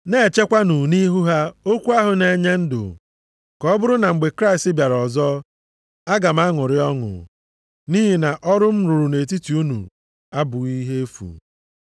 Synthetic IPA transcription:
ne˦˨t͡ʃe˦kʷa˦nu˨ni˦ɦu˦ɦa˦o˦kʷu˦a˦ɦʊ˨ne˨ɲe˦n̩˦dʊ̰˨ | kɔ˦bʊ˦ɾʊ˦na˨ŋ͡m̩˨ɡ͡be˨kɾa˦ɪ˨stɪ˦bja˨ɾɔ˨zɔ˦ | a˦ɡa˨m̩˦a˦ŋʊ˨ɾɪ˦ɔ˦ŋʊ̰˨ | niː˦ɦi˨na˨ʔɔ˦ɾʊ˦m̩˦ɾʊ˨ɾʊ˨ne˨ti˦ti˨u˦nṵ˨ | a˦bʊ˨ɣi˦ɦe˦e˦fṵ˨

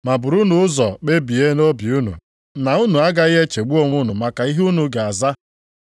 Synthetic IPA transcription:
ma˨bʊ˨ɾu˦nʊ˨ʊ˦zɔ˨k͡pe˦bi˨e˦no˦bi˨u˦nṵ˨ | na˨u˦nu˨a˦ɡa˦je˦t͡ʃe˨ɡ͡bu˦o˦ŋʷʊ˦nʊ˨ma˨ka˨i˦ɦu˦nu˨ɡa˨a˨za˦

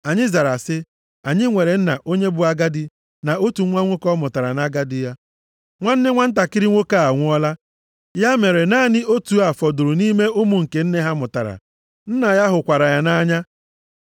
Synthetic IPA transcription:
a˨ɲɪ˦za˨ɾa˨sɪ˦ | a˨ɲɪ˦ŋʷe˨ɾe˨˦n̩˦na˨ʔo˦ɲe˦bʊ˨˦a˦ɡa˦dɪ˦ | na˨o˦tu˨˦ŋʷa˦ŋʷo˦kɔ˦mʊ˨ta˨ɾa˨na˦ɡa˦dɪ˦ja˦ | ŋʷa˦n̩˦nɪ˦ŋʷa˦n̩˦t̬a˨kɪ˦ɾɪ˦ŋʷo˦ka˦a˨ŋʷʊ˦ɔ˦la˦ | ja˦me˨ɾe˨na˦˨nɪ˦o˦tu˨a˨fɔ˨dʊ˨ɾʊ˨ni˦me˦ʔʊ˦mʊ˨ŋ̩˨ke˨n̩˦ne˦ɦa˦mʊ˨ta˨ɾa̰˨ | n̩˦na˨ja˦ɦʊ˨kʷa˨ɾa˨ja˦na˦ɲa˦

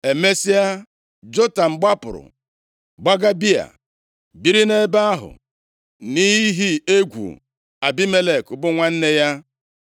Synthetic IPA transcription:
e˨me˦si˦a˦ | d͡ʒo˦ta˨m̩˨ɡ͡ba˦pʊ̰˨ɾʊ̰˨ | ɡ͡ba˦ɡa˦bi˦a̰˨ | bi˦ɾi˦ne˦ba˦a˦ɦʊ̰˨ | ni˦i˦ɦi˦e˦ɡʷṵ˨ | a˨bi˦me˦le˨kʊ˨bʊ˦ŋʷa˦n̩˦ne˦ja˦

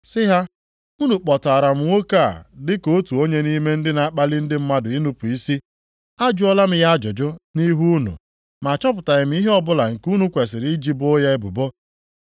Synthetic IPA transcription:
sɪ˦ɦa˦ | u˦nu˨k͡pɔ˨ta˨ɾa˨m̩˦ŋo˦ka˦˨dɪ˦ko˦tu˨o˦ɲe˦ni˦me˦n̩˦dɪ˦na˨a˦k͡pa˦lɪ˦n̩˦dɪ˦m̩˦ma˦dʊ˨i˦nu˦pu˨i˦si˦ | a˦d͡ʒʊ˦ɔ˦la˦m̩˦ja˦a˦d͡ʒʊ˨d͡ʒʊ˦ni˦ɦu˦nṵ˨ | ma˨t͡ʃɔ˦pʊ˨ta˨ɣɪ˨m̩˦i˦ɦe˦ɔ˦bʊ˦la˨ŋ̩˨ku˦nu˦kʷe˨s̬ɪ˨ɾi˦d͡ʒi˦bo˦ja˦e˦bʊ˨bo˦

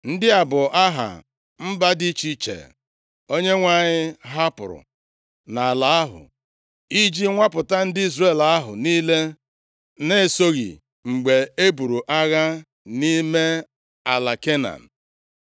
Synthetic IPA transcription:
n̩˦dɪ˦a˨bʊ˨ʔa˦ɦa̰˨ | m̩˦ba˦di˦t͡ʃi˦t͡ʃḛ˨ | o˦ɲe˦ŋʷa˦˨ɲɪ˦ɦa˦pʊ̰˨ɾʊ̰˨ | na˨a˨la˨a˦ɦʊ̰˨ | i˦d͡ʒi˦ŋʷa˦pʊ˨ta˦n̩˦dɪ˦i˦zre˨la˦ɦʊ̰˨niː˦le˦ | ne˦˨so˦ɣḭ˨ | ŋ͡m̩˨ɡ͡be˨e˦bu˨ɾu˨ʔa˦ɣa˦ | ni˦me˦ | a˨la˨ke˦na̰˨n̩˨

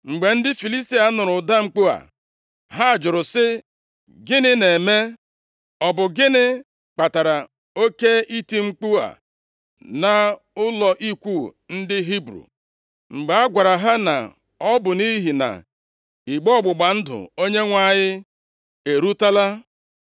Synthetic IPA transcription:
ŋ͡m̩˨ɡ͡be˨n̩˦dɪ˦fi˨li˦sti˨a˨nʊ˨ɾʊ˨da˦ŋ͡m̩˨k͡pu˦a̰˨ | ɦa˦a˨d͡ʒʊ˨ɾʊ˨sɪ˦ | ɡɪ˦nɪ˦ne˨me˦ | ɔ˨bʊ˨ɡɪ˦nɪ˦ | k͡pa˨ta˨ɾa˨ | o˦ke˦ʔi˦ti˦ŋ͡m̩˦k͡pu˦a̰˨ | na˨ | ʊ˦lɔ˨ʔi˦kʷu˦˨ | n̩˦dɪ˦ɦi˦bɾṵ˨ | ŋ͡m̩˨ɡ͡ba˨a˦ɡʷa˨ɾa˨ɦa˦na̰˨ | ɔ˦bʊ˨ni˦ɦi˨na̰˨ | i˨ɡ͡bɔ˦˨ɡ͡bʊ˨ɡ͡ba˨n̩˦dʊ̰˨o˦ɲe˦ŋʷa˦˨ɲɪ˦ | e˨ɾu˦ta˦la˦

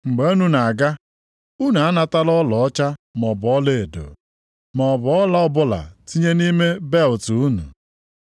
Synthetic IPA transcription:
ŋ͡m̩˨ɡ͡be˨˦o˦nu˨na˨a˨ɡa˦ | u˦na˨a˦na˦˨ta˦lɔ˦lɔ˨ɔ˦t͡ʃa˦mɔ˨bʊ˨ɔ˦le˦e˨do̰˨ | mɔ˨bʊ˨˦ɔ˦la˦ɔ˦bʊ˦la̰˨ti˦ɲe˦ni˦me˦be˦ltu˨u˦nṵ˨

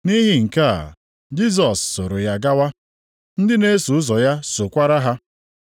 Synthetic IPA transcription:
ni˦ɦi˨ŋ̩˨ka˦a̰˨ | d͡ʒi˦s̬ɔ˨sːo˨ɾʊ˨ja˨ɡa˦wa˦ | n̩˦dɪ˦ne˦su˨ʊ˦zɔ˨ja˦sʊ˨kʷa˦ɾa˦ɦa˦

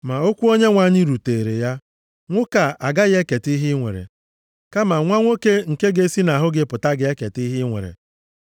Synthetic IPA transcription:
ma˨o˦kʷu˦o˦ɲe˦ŋʷa˨ɲɪ˦ɾu˨teː˨e˨ɾe˨ja˦ | ŋʷʊ˦ka˨a˨ɡa˦ɣe˦ke˨ti˦ɦɪ˦ŋʷḛ˨ɾḛ˨ | ka˦ma˨ŋʷa˦ŋʷo˦ke˦ŋ̩˨ke˦ɡe˦si˦na˨ɦʊ˦ɡɪ˦pʊ˨ta˦ɡɪ˨e˦ke˨ti˦ɦɪ˦ŋʷḛ˨ɾḛ˨

